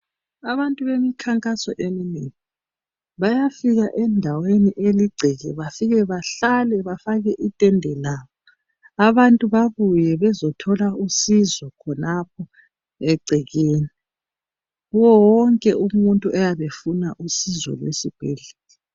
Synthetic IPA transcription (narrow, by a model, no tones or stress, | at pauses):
aβantʼuβemikʰaŋkʼasɔʔemineŋi | βajafiɣaʔɛndʱaweniʔeliɡ͡ǀʱiɣɛβafiɣɛβaɬalɛβafaɣɛʔitʼɛndʱɛlaːβɔ | aβantʼuβaβujɛβɛzɔtʰɔlausizɔkʰɔnap̚ʰɔ | ɛɡ͡ǀʱiɣeːni | ɣuwɔwɔŋkʼɛumuntʼuʔajaβefunaʔusizɔ̰lwḛsib̥ʱɛɮilɛ